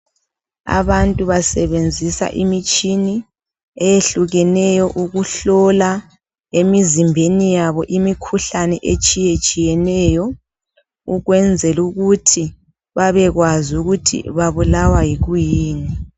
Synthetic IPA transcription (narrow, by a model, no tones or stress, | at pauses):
a̰βantʼuβasɛβend͡zʱisa̰ʔimit͡ʃʼini | ɛjeɬuɣɛnɛjɔʔuɣuɬɔla | emizimbʱenijaβɔʔimikʰuɬanɛʔet͡ʃʼijet͡ʃʼijɛnɛjɔ | uɣwɛnd͡zʱɛluɣutʰi | βaβɛɣwazuɣutʰḭβaβulawajiɣujiːni